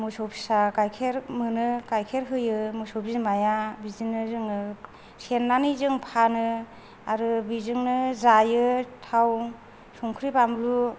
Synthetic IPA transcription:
musɔpʰi̥sakajkʰeɾmɯnɯkajkʰeɾɦɯjɯmusɔbʰimajabizinɯzɯŋɯ | senːanizɯŋpʰanɯ | aɾɯbizɯŋnɯzajɯtʰaw | sɔŋkʰɾipamlu

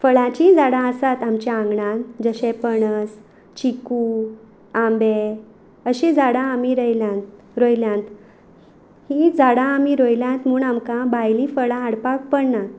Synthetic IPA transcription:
fəɭãt͡ɕid͡zaɽãəsat̪amt͡ɕaãŋɡɳad͡zəɕẽpəɳəs | t͡ɕiku | ãmbe | əɕid͡zaɽaːmiɾəjla | ɾojljãnt̪ | hid͡zaɽaːmiɾojljãnt̪muːɳamkãbajlĩfəɭaːɽpak̚pəɽna

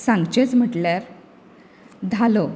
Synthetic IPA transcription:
sãŋɡt͡ɕet͡sm̤əʈljaɾ | d̪ʱalo

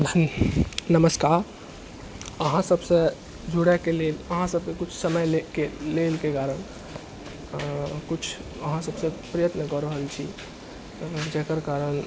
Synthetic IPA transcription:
nəməskaɾ | əɦãsəbsə̃ | d͡ʒʱuɽɛkeleləɦãsəb̚kekut͡ʃʰsəməjlekelelkekaɾəɳ | kut͡ʃʰ | əɦãsəbsə̃pɾəjət̪nəkəɾəɦəlt͡ʃʰi | d͡ʒekəɾkaɾəɳ

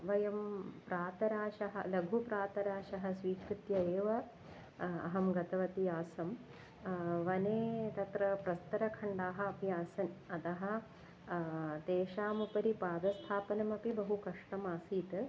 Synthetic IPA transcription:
ʋɐjɐmpɾaːt̪ɐɾaːʃɐɦɐ̆lɐɡʱupɾaːt̪ɐɾaːʃɐɦɐ̆sʋiːkɾut̪jɐeːʋɐ | ɐ̰ɦɐmɡɐt̪ɐʋɐt̪ijaːsɐm | ʋɐneːt̪ɐt̪ɾɐpɾɐst̪ɐɾɐkʰɐɳɖaːɦɐɐpjaːsɐnɐt̪ɐɦɐ̆ | t̪eːʃaːmupɐɾipaːd̪ɐst̪ʰaːpɐnɐmɐpibɐɦukɐʂʈɐmaːsiːt̪ɐ

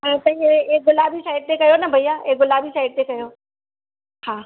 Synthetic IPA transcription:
at̪ɐĩeeɡʊlaːbisaːɪɖ̚t̪ekɐjonɐbʱɐijaeɡʊlaːbisaɪɖ̚t̪ekɐjo | hãː

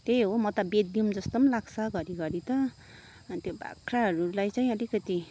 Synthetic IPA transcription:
t̪eɦomʌt̪ʌbed̪jumd͡zʌst̪omlaɡsʰʌɡʌɾiɡʌɾit̪ʌ | t̪jobʱa̰kʰɾaɦʌɾulajt͡saĩʌlikʌt̪i

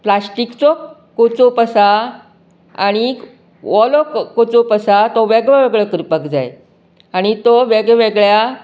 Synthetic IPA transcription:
plasʈikt͡sɔ | kot͡sopəsa | a̰ɽ̃i | ʋɔlɔkkot͡sopəsat̪ɔʋeɡɭəʋeɡɭəkɾipəkd͡za̰j | aɽ̃it̪ɔʋeɡɭʋeɡɭja

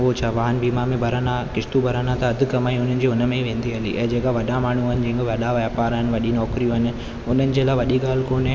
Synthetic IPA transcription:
ot͡ɕʰaʋaːɦənbiːmamẽbʱɐɾanãkɪʃt̪ubʱɐɾanãt̪ɐɐd̪ʱɪ̆kɐmaːĩʊn̤ənɪ̆d͡ʑiːʊnə̆mẽʋẽːn̆d̪iɦɐlḭʔɛ̃ːd͡ʑeːkaʋɐɗamaːɳ̤uəɪnɪ̆d͡ʑɐ̃ːŋkoʋɐɗaʋɐapaːɾɦənɪ̆ʋɐɗinɔːkɾijũɦɪnɪ̆ | ʊn̤ənɪ̆d͡ʑeːlaːʋɐɗiɠaːl̤ɪkoːn

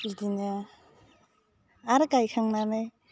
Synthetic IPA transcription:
idinɯ | aɾɯkajkʰaŋnanaj

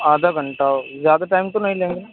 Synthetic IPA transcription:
aːd̪aːɡəɳʈaːozjaːd̪aʈaːɪmt̪õnɐɦĩlẽːŋɡe

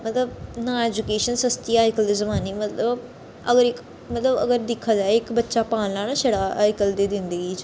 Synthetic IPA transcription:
mət̪ləbnaːeːd͡ʒukeːʃənsəst̪iːaːjkəld̪ezəmaːnemət̪ləb | əɡəɾɪk | mət̪ləbə̰ɡəɾd̪ɪkʰːaːd͡ʒaːeɪkbətːʃapãːnlaːnaʃeɽaːʔaːɪkəld̪eːd̪ɪ̃nd̪əɡiːt͡ʃ

